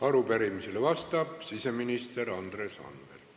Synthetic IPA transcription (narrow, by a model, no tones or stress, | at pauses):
ɑɾupæɾimiselevɑst̪ɑb̥sise̞minist̪erɑnd̪reːsɑ̰nvḛl